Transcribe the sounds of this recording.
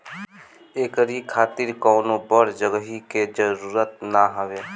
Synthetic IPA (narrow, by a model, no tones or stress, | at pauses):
eːkəɾikʰaːt̪ɪɾkɔːnobəɾd͡ʒəɡəɦiked͡ʒəɾuːɾət̪naɦəʋeː